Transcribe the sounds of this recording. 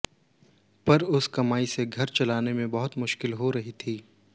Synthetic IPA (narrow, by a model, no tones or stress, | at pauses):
pɐɾʊskɐmaːiseɡʱɐɾt͡ʃɐlaːnemẽbɐɦʊt̪mʊʃkɪlɦoɾɐɦit̪ʰiː